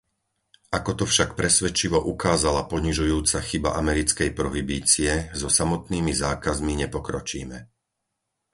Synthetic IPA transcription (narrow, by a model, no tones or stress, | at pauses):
ʔakɔt̪ɔfʃakpɾɛsʋɛt͡ʃiʋɔʔukaːzalapɔɲiʒujuːt͡saxiba̰ʔamɛɾit͡skɛjpɾɔɦibiːt͡siɛzɔsamɔt̪niːmizaːkazmiɲɛpɔkɾɔt͡ʃḭːmɛ̰